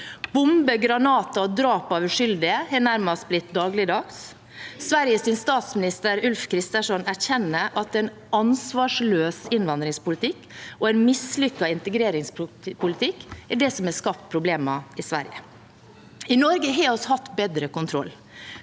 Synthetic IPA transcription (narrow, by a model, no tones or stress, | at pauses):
bʊmbəɡɾɑnɑːt̪ɑɔd̪ɾɑːpɑʋʉʂʏld̪ɪəhɛnæɾmɑst̪̚blɪt̪̚d̪ɑːɡlɪd̪ɑks | sʋæɾjəsɪnst̪ɑːt̪smɪnɪst̪əɾʉlfkʰɾɪst̪əʂɔnæçɛnːəʔɑt̪ɛn | ɑnsʋɑːʂløːsɪnʋɑnd̪ɾɪŋspʊlɪt̪ʰɪkːɔɛɪnmɪslʏkːɑɪnt̪əɡɾeːɾɪŋsppʰʊlɪt̪ʰɪkːæɖɛsɔmɛskɑp̚t̪̚pʰɾʊbleːmɑɪsʋæ̰ɾjə̰ | ɪnɔɾɡəɦɛːɔshɑt̪ːbeːd̪ɾəkʊnt̪ʰɾɔ̰lː